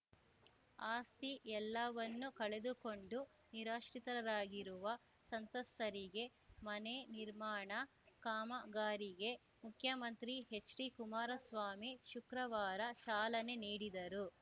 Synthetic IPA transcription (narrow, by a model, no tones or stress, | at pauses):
aːst̪iʔɛlːɐʋɐnːukɐɭe̞d̪uko̞ɳɖu | niɾaːʃɾit̪ɐɾɐɾaːɡiɾuʋɐ | sɐnt̪ɐst̪ʰɐɾiɡe̞ | mɐneniɾmaːɳɐ | kaːmɐɡaːɾiɡe̞ | mukʰjɐmɐnt̪ɾiɦe̞t͡ʃːɾikumaːɾɐsʋaːmiʃukɾɐʋaːɾɐt͡ʃaːlɐne̞niːɽid̪ɐɾu